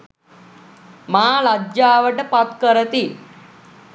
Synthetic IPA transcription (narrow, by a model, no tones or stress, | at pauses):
maːlad͡ʒjaːʋəʈəpat̪kəɾət̪i